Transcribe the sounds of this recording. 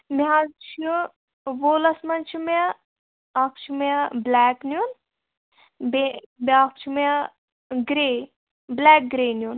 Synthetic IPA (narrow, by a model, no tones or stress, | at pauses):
miɦazt͡ʃʰu | ʋoːlɐsmɐnt͡ʃʰume | ɐk̚ʰt͡ʃʰumeblæːknjun | bebak̚ʰt͡ʃʰume | ɡɾe | blæːk̚ɡɾeːnjun